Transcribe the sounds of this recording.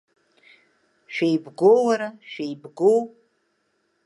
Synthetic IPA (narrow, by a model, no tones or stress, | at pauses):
ʃᶣejbɡowaɾaʃᶣejbɡow